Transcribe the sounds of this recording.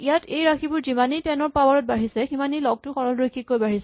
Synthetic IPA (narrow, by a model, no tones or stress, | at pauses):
ijatejɹakʰibʊɹzimanitɛnɔɹpawɔɹɔt̚baɹisɛximanilɔɡ̚tʊxɔɹɔlɹojkʰːikːojbaɹisɛ